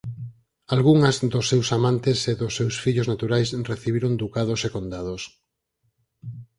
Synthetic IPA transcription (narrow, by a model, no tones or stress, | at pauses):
alɣuŋɐzd̪osːewsamãnt̪eseðʊsːewsfiʎoznat̪uɾajsreθiβiɾond̪ukaðosekond̪að̞os